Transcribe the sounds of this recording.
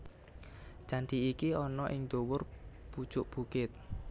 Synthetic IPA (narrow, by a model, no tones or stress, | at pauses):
t͡ʃanɖ̪iikiɔnɔʔɪŋd̪̥owʊr | pu̥ʒ̥ʊʔb̥ukɪt̪̚